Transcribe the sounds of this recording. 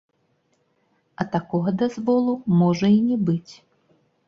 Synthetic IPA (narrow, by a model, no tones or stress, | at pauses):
ɐt̪akɔɣɐd̪azvɔlˠumɔʐɐinʲɛbɨt͡sʲ